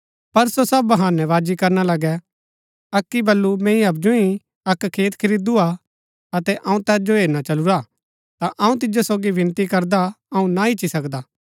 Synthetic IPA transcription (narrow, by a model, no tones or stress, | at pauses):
pɐɾsosɐbɦãːnɛʋaːd͡ʒikɐɾnalɐɡɛ | ɐkːibɐlːumɛ̃ːĩɐp̬d͡ʒoĩ | ɐkkʰːeːt̪kʰɪɾid̪ua | ɐt̪ɛʔɐ̃ũt̪ɛːs̬d͡ʒoɦeːɾnat͡ʃɐluɾa | t̪aʔɐũt̪̬ɪd͡ʒosoːɡibʱɪ̃nt̪ikɐɾd̪a | ɐũnaɪt͡ʃːisɐkd̪aː